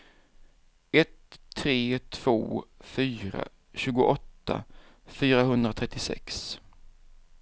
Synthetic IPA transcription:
ɛt̪ʰːɾeːt̪ʰv̥o̰ːfyːɾa̰ | ɕʉ̟ːɡʊʔɔt̪ʰːa̰ | fyːɾaɦɵnd̪ɾat̪ʰɾɛt̪ːɪsɛ̰ks

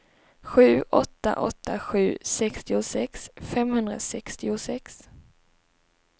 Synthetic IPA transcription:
ɧʉ̟ːʔɔt̪ːa̰ʔɔt̪ːaɧʉ̟ːsɛkst̪ɪʊsɛksfɛmhɵnd̪ɾa̰sɛkst̪ɪʊsɛks

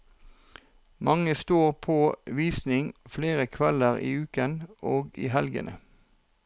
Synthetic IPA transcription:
mʔɑŋəst̪oːʁpʰoːʋiːsnɪŋfleːʁəkʰʋɛləʁḭːʉːkənʔoːɡḭːɦɛlɡə̰nʔə̰

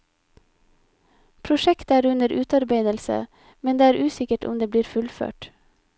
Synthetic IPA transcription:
pʰɾʊʃɛkt̪əæːɾʉnəɾʔʉːt̪ɑɾbeɪd̪əlsə̰ | mɛnd̪eːæːɾʔʉːsɪkəʈʊ̰md̪eːb̪iːɾfʉlfø̰ːʈ

